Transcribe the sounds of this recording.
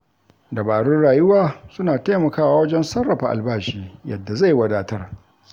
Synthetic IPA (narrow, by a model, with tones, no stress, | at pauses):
dɐ˨baː˨ɽʊ˦nɽaː˨jʊ˦waː˦sʊ˦naː˨taː˦mɐ˨kaː˦waː˨wɐ˦d͡ʒɛ˦nsɐ˦rːɐ˨ɸa˨ʔa̰˨lbaː˦˨ʃiː˦jɐ̰˨dːa˨za˦˨jwɐ˦daː˦tɐ˦r